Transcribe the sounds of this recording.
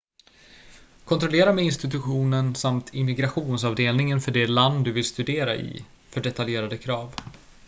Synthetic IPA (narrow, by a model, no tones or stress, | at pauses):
kʰɔnt̪ɾɔleːɾamɛɪnst̪ɪt̪̬ɵɧuːnənsamt̪ʰɪmːɪɡɾaɧuːnsɑːvd̪eːlnɪŋənfœɖeːland̪d̪ɵvɪlst̪ɵd̪eːɾaʔɪ̰ | fœɖɛt̪ʰaljeːɾad̪əkʰɾɑːv